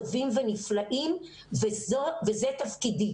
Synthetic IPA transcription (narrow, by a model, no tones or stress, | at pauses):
vimveniflaʔim | vezovezet̪afkidi